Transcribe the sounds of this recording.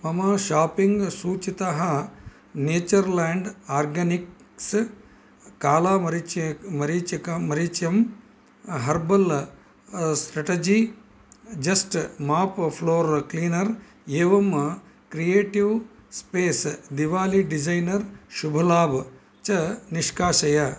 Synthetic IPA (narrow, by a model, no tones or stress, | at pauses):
mɐmaːʃaːpiŋɡsuːt͡ʃit̪ɐɦɐ | neːt͡ʃɐɾlaːɳɖaːɾɡɐniks | kaːlaːmɐɾit͡ʃmɐɾit͡ʃɐkɐmɐɾit͡ʃjɐm | ɦɐɾbɐl | sʈɾɐʈed͡ʒi | d͡ʒɐsʈmaːppʰloːɾkliːnɐɾ | eːʋɐmkɾijeːʈiʋspeːsd̪iʋaːliɖid͡ʒɐjnɐɾʃubʱɐlaːb | t͡ʃɐniʃkaːʃɐjɐ